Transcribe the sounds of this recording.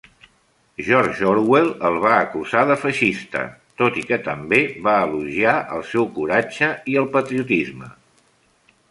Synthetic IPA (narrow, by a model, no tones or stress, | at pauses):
ʒɔɾʒʒoɾwelˠəlˠβ̞aəkuzaðəfəʃist̪ə̰t̪ot̪ikət̪əmbeβaəluʒiaʔə̰lˠsɛwkuɾad͡ʒəiəlˠpət̪ɾiut̪izmə